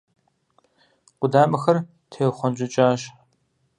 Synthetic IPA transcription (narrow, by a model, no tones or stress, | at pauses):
qʷʊdaːmɨxɐr | tʰeːwχʷɔnd͡ʒʼɪt͡ʃʼaːɕ